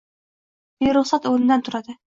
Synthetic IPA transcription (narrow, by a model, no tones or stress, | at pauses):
dijɾʊχsɑt̪ɵwɘnd̪ænt̪ʰʊɾɑd̪ɤ